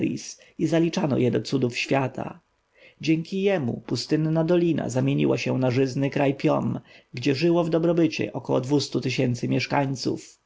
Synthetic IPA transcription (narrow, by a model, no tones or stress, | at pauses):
ɾḭs | izalʲit͡ʂanɔ̰jɛd̪ɔt̪sud̪ufɕfʲjat̪ʰa̰ | d͡ʑɛŋkʲijɛmṵpust̪ɘnːad̪ɔlʲina̰zamʲjeɲḭwaɕɛ̃naʐɘznɘkɾajpʲjɔmɡd͡ʑɛʐɘwɔvd̪ɔbɾɔbɘt͡ɕɛ̰ʔɔkɔwɔ̰d̪vust̪ut̪ɪɕɛnt̪sɘmʲjɛʂkaɲt̪sṵf